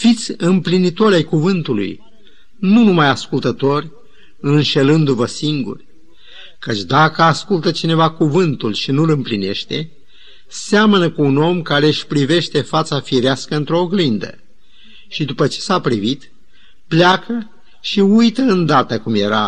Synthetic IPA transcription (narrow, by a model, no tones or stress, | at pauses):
fit̪sʲɨmplinit̪o̞ɾʲajkuvɨnt̪ulṵj | nunumajaskult̪ət̪o̞rʲ | ɨnʃe̞lɨnd̪uvəsiŋɡṵrʲ | kət͡ʃʲd̪akəaskult̪ət͡ʃine̞vakuvɨnt̪ulʃinulɨmpline̞̰ʃt̪e̞ | seamənəkəuno̞mkaɾe̞ɨʃʲpɾive̞ʃt̪e̞fat̪safiɾeaskəɨnt̪ɾo̞ːɡlind̪ə̰ | ʃid̪upət͡ʃe̥sapɾivit̪ | pleakʰə | ʃiujt̪əɨnd̪at̪əkumje̞ɾa